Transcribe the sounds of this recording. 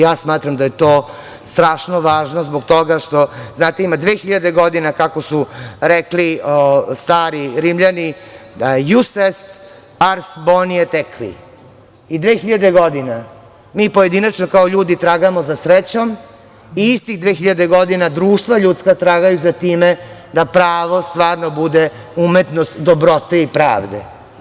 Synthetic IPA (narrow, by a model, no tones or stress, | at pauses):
jaːsmaːt̪ɾamd̪aje̞t̪oː | st̪ɾaːʃnoʋaːʒnozbokt̪o̞ɡaʃt̪o̞znaːt̪eimad̪ʋeːxiʎad̪eɡo̞d̪inakako̞suɾekliost̪aːɾiɾimʎani | jusest̪ | aɾsbonijet̪ekʋḭ | id̪ʋeːxiʎad̪e̞ɡo̞d̪ina | miːpoje̞d̪inat͡ʃnokaoʎuːd̪it̪ɾaːɡamozasɾet͡ɕom | iist̪ixd̪ʋeːxiʎad̪e̞ɡo̞d̪inad̪ɾuːʃt̪ʋaʎut̪skat̪ɾaːɡajuzat̪iːmed̪apɾaːʋo̞st̪ʋaːɾnobud̪e | umet̪nost̪d̪obɾo̞t̪eipɾa̰ːʋd̪ḛ